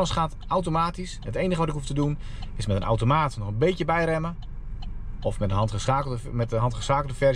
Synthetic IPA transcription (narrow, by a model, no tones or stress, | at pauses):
ləsχaːt | awtomaːtisɦətejnəɣəʋɑtɪkɦuftədun | ɪsmɛtənʔa̰wtomaːtnɔχənbejkjəbɛjrɛmə | ɔfmɛtəɦɑntəsaːkləmɛtəɦɑntχəsaːkl̩ˠdəfɛr